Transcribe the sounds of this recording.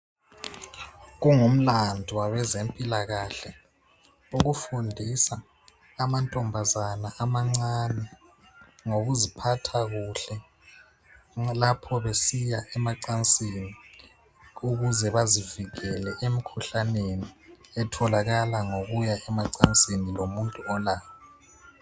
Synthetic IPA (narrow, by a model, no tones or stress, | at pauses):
ɣuŋum̩landʱiwaβɛzempʼilaɣaɬɛ | uɣufundʱisaː | mantʼɔmbʱazanaʔamaŋ͡ǀanɛ | ŋoɣuzipʰatʰaɣuɬɛ | lapʰɔβesijaʔɛmaǀant͡sʼini | uɣuzɛβaziviɣɛlɛʔemikʰuɬaneniɛtʰɔlaɣalaŋoɣujaʔɛmaǀant͡sʼinilomuntʼuɔlaːjɔ